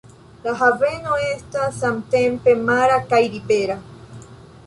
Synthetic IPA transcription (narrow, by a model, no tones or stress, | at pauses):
laɦavenoest̪asamt̪empemaɾakajɾipeɾa